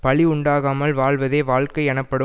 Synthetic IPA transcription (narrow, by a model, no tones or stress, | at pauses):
pɐɭɪʊɳɖaːɣaːmɐlʋaːɭʋɐðeːʋaːɭkɐɪɛnɐpːɐɽɯ